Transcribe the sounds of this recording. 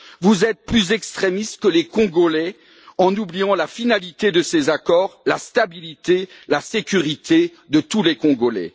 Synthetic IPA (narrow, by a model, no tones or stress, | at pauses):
vuzɛt̪̚plyzɛkst̪χemist̪kəlekɔ̃ɡolɛ | ɑ̃nublijɑ̃lafinalit̪ed̪əsezakɔːʁlast̪abilit̪elasekʲyʁit̪e | d̪ət̪ulekɔ̃ɡolɛ̰